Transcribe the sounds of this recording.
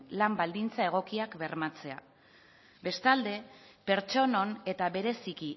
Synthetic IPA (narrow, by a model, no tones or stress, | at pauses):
lambald̪int͡sae̞ɣ̞o̞kiakbe̞rmat͡se̞a̰ | be̞st̪ald̪e̞pe̞ɾt͡ʃo̞no̞ne̞t̪aβe̞ɾe̞siki